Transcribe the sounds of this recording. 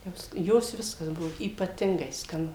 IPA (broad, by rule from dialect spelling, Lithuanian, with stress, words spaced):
ˈjoːs ˈjoːs ˈʋʲɪskɐs ˈbʊʋoː iːpɐˈtʲɪŋɡɐɪ skɐˈnʊ